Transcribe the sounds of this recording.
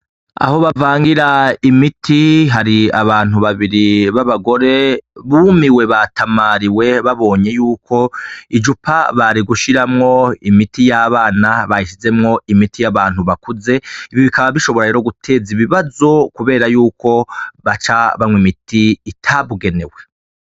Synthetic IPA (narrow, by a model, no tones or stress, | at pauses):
a̰ho̞βavaːŋɡiɾaimitʰiɦaɾiaβaːn̥uβaβiɾiβaβaɡo̞ɾe̞βuːmiwe̞βatʰamaɾiwe̞βaβo̞ːɲe̞juːkʰo̞id͡ʒupʰaβaɾiɡuʃiɾamŋo̞imitijaβaːnaβajiʃize̞mŋo̞imitʰijaβaːn̥huβakuze̞iβjoβikaβaβiʃo̞βo̞ɾaɾe̞ːɾo̞ɡutʰe̞ziβiβazo̞kuβe̞ːɾajuːko̞βat͡ʃaβamŋwimitʰiːtʰaβuɡe̞ne̞we̞